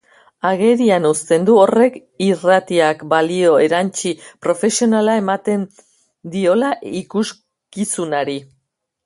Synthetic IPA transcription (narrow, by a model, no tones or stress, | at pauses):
aɣe̞ɾianust̪e̞nd̪uo̞re̞kirat̪iakbalio̞e̞ɾant͡ʃipɾo̞fe̞sio̞nalae̞mat̪e̞n | d̪io̞laʔikus | kisunaɾi